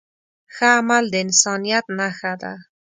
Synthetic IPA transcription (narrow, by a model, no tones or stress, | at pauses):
xaːmald̪əɪnsɑnijat̪naxad̪a̰